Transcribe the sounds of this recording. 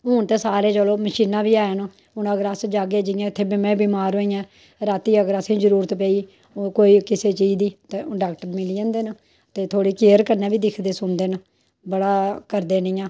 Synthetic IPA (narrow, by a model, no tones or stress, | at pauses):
ɦʊːnt̪eːsaːɾeːt͡ʃəloːməʃiːnãːbiːaːn | ʊnəɡəɾəsd͡ʒaːɡeːd͡ʒɪjãːt̪ʰːeːbɪmɛ̃ːbiːmaːɾɦoːĩːãː | ɾaːt̪iːəɡəɾəsĩːd͡ʒəɾuːɾt̪pɛːiː | koːiːkɪseːt͡ʃiːd̪iːt̪eːɖaːkʈmɪliːãːnd̪eːn | t̪eːt̪ʰoːɽiːkeːəɾkəɾnɛ̃ːbiːd̪ɪkʰd̪eːsʊnd̪eːn | bəɽaːkəɾd̪eːnɪjãː